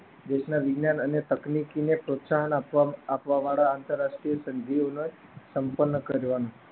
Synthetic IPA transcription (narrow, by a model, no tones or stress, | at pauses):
d̪eɕnaʋiɡnjanənet̪əknikinepɾot̪saɦənaːpʋaʋaɭaːnt̪əɾːaʂʈɾijəsənd̪ʱionəj | səmpənːəkəɾʋana